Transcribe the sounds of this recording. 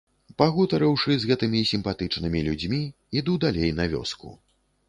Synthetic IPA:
paɣut̪ɐɾɐwʂɨzɣɛt̪ɨmʲisʲimpat̪ɨt͡ʂnɨmʲilʲud͡zʲmʲi | id̪ud̪alʲejnɐvʲɔ̰skṵ

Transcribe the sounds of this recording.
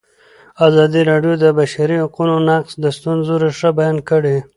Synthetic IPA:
azɑd̪iɾɑɖjod̪əbaʃaɾihaqunonaqsd̪əst̪unzoɾeʂəbajɑnkəɽe

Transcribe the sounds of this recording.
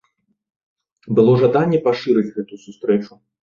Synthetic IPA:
bɨlˠɔʐad̪anʲːɛpaʂɨɾɨt͡sʲɣɛt̪usust̪ɾɛt͡ʂu

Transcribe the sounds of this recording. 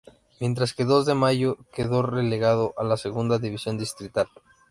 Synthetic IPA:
mje̞nt̪ɾaske̞ðo̞zðe̞maʝokeðo̞re̞le̞ɣað̞o̞ʔalase̞ɣund̪aðiβisjo̞nd̪ist̪ɾit̪al

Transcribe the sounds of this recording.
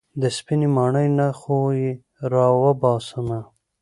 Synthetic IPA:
d̪əspinimɑːɳəjnaxoji | ɾɑːwəbɑːsəna

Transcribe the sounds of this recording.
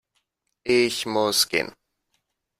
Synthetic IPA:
ɪçmʊskɪ̰n

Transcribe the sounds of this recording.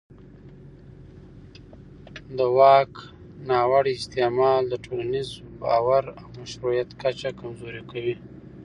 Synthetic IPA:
d̪əwɑk | nɑwaɽiɪst̪emɑld̪əʈʰolanizbɑwaɾawmaʃɾujat̪kat͡ʃakamzoɾikawi

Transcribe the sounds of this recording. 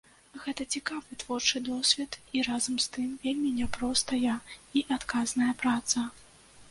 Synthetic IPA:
ɣɛt̪ɐt͡sʲikavɨt̪v̥ɔrt͡ʂɨd̪ɔsʲvʲɛt̪iɾazɐmst̪ɨmvʲelʲmʲinʲɛpɾɔst̪ɐjɐiʔat̪kaznɐjɐpɾat̪sɐ

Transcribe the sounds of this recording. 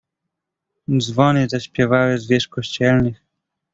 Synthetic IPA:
d̪zvɔnɘzaɕpʲjɛvawɘzvʲjɛʂkɔɕt͡ɕɛlnɘx

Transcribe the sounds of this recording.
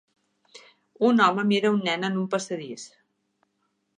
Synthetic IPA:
unɔməmiɾəunːɛnənumpəsəðis

